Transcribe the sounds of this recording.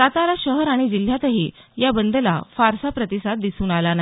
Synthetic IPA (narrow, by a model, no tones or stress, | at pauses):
t̪at̪aɾaɕəɦəɾaɽ̃id͡ʑil̤jat̪əɦiːjabənd̪əlafaɾsapɾət̪isat̪̚d̪isuːnalana